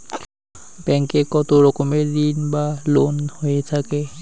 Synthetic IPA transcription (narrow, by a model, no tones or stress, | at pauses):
bɛŋkekɔt̪oɾɔkomed̪inbalonhoet̪ʰake